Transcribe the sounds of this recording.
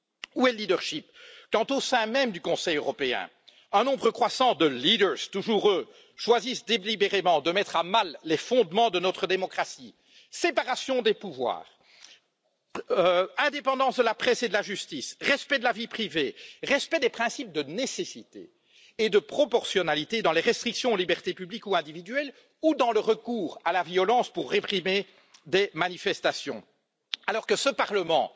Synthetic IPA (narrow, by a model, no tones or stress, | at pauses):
uɛlid̪əʁʃipkɑ̃t̪osɛ̃mɛmd̪ykɔ̃sɛjøʁɔpeɛ̰̃ | œ̃nɔ̃bʁəkχwasɑ̃d̪əlid̪əʁz̥t̪uʒuʁø | ʃwazisd̪elibeʁemɑ̃d̪əmɛt̪χamalːefɔ̃d̪mɑ̃d̪ənɔt̪χəd̪emɔkχasi | sepaʁasjɔ̃d̪epuvwa̰ːʁ | ɛ̃d̪epɑ̃d̪ɑ̃sd̪əlapχɛsed̪əlaʒyst̪isʁɛspɛd̪əlavipχiveʁɛspɛd̪epχɛ̃sip̚d̪ənesesit̪ḛː | d̪əpχɔpɔʁsjɔnalit̪ed̪ɑ̃leʁɛst̪χiksjɔ̃libɛʁt̪epyblikuɛ̃d̪ivid̪yɛl | ud̪ɑ̃ləʁəkuːʁalavjɔlɑ̃spuʁːepχime | d̪emanifɛst̪asjɔ̰̃ | alɔːʁkəsəpaʁləmɑ̰̃